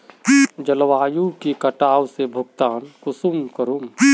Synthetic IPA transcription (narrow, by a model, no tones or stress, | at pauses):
d͡ʒɐlʋaːjukekɐʈaːwsebʱʊɡt̪aːnkʊsumkəɾum